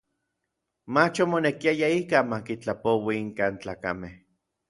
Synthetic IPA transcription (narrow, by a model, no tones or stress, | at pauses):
mat͡ʃomonekiajaikaːnmakit͡ɬapowiiŋkaːnt͡ɬaːkameh